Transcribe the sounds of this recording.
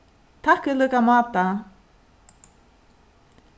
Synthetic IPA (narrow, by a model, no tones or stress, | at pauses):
t̪ʰahkʏlœːkamaːt̪a